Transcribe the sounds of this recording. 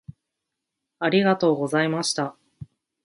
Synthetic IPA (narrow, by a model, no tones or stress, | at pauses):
aɾʲiɣat̪o̞ːɡo̞zaimaɕi̥t̪a